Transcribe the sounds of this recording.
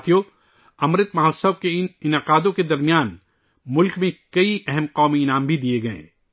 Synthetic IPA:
t̪ʰijo | ɐmɾɪt̪mɐɦasəʋkeɪnɪnɪqaːd̪õked̪ɐɾmijaːn | mʊlkmẽkɐiʔɛɦɛmqɔːmiɪnaːmbʱid̪ieɡɐḛ̃ː

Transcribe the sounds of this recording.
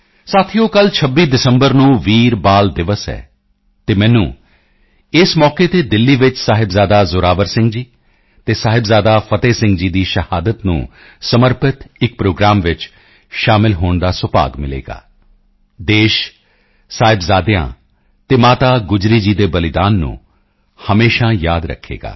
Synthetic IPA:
saːt̪ʰijõːkəlt͡ʃʰəbːiːd̪ɪsəmbəɾnũːʋiːɾbaːld̪ɪʋəsɛ̰ː | t̪eːmɛ̃ːnũː | ɪsmɔːkeːt̪eːd̪ɪlːiːʋɪt͡ʃsaːɦɪbzaːd̪aːzʊɾaːʋəɾsɪ̃ŋɡd͡ʒiː | t̪eːsaːɦɪbzaːd̪aːpʰət̪eːsɪ̃ŋɡd͡ʒiːd̪iːʃəhaːd̪ət̪nṵ̃ː | səməɾpʰət̪ɪk̚pɾoːɡɾaːmʋɪt͡ʃ | ʃaːmɪlɦoːɳd̪aːsʊpa̰ːɡmɪlḛːɡa̰ː | d̪eːʃ | saːɦɪbzaːd̪ɪjã̰ː | t̪eːmaːt̪aːɡʊd͡ʒɾiːd͡ʒiːd̪eːbəlɪd̪aːnːṵ̃ː | həmeːʃãːjaːd̪ɾə̰kʰːḛːɡa̰ː

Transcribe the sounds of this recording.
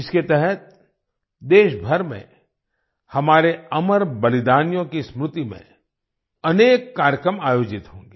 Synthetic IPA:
ɪsket̪ɛɦɛt̪̚ | d̪eːʃbʱɐɾmḛ̃ | hɐmaːɾeɐməɾbɐlɪd̪aːnjõkismɾʊt̪imḛ̃ | ɐneːkːaːɾjəkɾəmaːjoːd͡ʒɪt̪ɦõːŋɡeː

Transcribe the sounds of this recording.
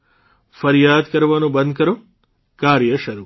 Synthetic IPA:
fɐɾjaːd̪kɐɾʋaːnũbɐnd̪̚ʱkɐɾu | kaːɾjɐʃɐɾuː

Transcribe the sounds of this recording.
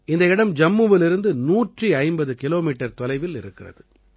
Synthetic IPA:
ɪnd̪ɐɪɽɐmd͡ʒɐmːɯʋɪlɪɾɯnd̪ɯnuːʈriɐɪmbɐðɯkɪloːmiːʈːɐɾt̪ɔlɐɪʋɪlɪɾɯkːɪrɐ̰ðɯ

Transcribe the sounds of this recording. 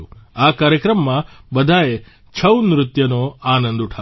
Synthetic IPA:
uakaːɾjɐkɾɐmːɐbɐd̪ʱaːje | t͡ʃʰɐwnɾut̪jɐnoaːnɐnd̪uʈʰa

